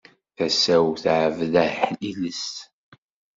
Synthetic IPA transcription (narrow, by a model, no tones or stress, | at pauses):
θæsæwθʕəvðəhħiləst̪